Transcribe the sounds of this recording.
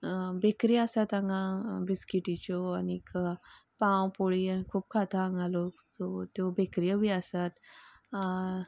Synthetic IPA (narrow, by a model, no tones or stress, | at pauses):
bekɾijasat̪aŋãbiskiʈit͡ɕɔaniikpãwpoɭianikʰuːp̚kʰat̪ʰaãŋɡalɔt̪ɔt̪jobekɾijəbiasat̪